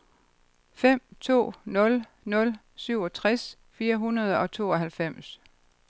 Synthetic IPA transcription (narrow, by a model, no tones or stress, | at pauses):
fem̰t͡sʰo̝̰ːnɔ̽l | nɔ̽l | syʊ̰ɒ̽t͡sʰʁas | fiːɐɦunɐð̞ˠɒ̽t͡sʰo̝̰ːɒɦælfem̰s